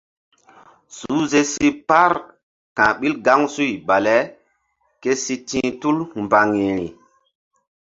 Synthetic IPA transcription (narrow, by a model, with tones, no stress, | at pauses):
su˨˦ze˦si˦pa˦ɾ | kã˨ɓi˦lɡa˦ŋsu˦jba˨le˦ | ke˦si˦tĩ˦tu˦lmba˨ŋi˨ɾi˨